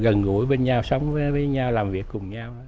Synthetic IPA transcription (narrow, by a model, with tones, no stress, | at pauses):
ɣə˨˩nɣṵ˧˩˦jɓe˧nɲa˧wsə˨˦wŋ͡mvəː˨˦jvəː˨˦jɲaː˧wlaː˨˩mvi˨˩əkːʊ˨˩ŋ͡mɲa˧wə˨˦